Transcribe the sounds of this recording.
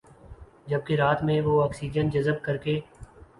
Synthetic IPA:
d͡ʒɐb̚keɾaːt̪mẽʋoːɔːksiːd͡ʒənd͡ʒəzəb̚kəɾkeː

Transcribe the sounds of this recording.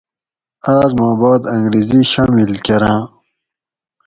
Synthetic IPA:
aːzmɑ̃ːbɑːd̪ɐ̃ŋɡɾiziɕaːmilkeɾãː

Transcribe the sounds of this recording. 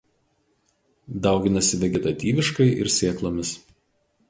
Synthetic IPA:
d̪ɐˑʊɡʲɪnɐsʲɪʋʲɛɡʲɛt̪ɐt̪ʲiːʋʲɪʃkɐɪʔɪ̰ɾsʲeːklˠoːmʲɪs

